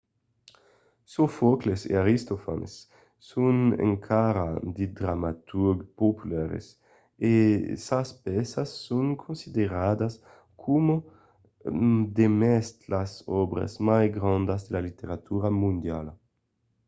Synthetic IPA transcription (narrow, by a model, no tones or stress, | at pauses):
sofoklesḛaɾist̪ofa̰nḛsː | unḛŋkʰaɾa̰d̪ed̪ɾamat̪uɾɡpopulaɾḛs | esaspɛsasːoŋkʰõnsid̪eɾad̪as | kʰomo | d̪emɛst̪lasɔbɾa̰smajɡɾãnd̪azd̪elalit̪eɾat̪uɾamũnd̪jal